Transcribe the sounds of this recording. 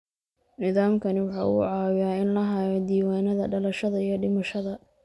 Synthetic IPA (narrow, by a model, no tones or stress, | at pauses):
nɪðaːmkʰɐnɪwɑħɑ̰ːṵːʕɑːwɪjaːɪnlɐɦaːjɔd̪iːwaːnɐðɐɖɐlɐʃɐðɐijɔɖɪmɐʃɐðɐ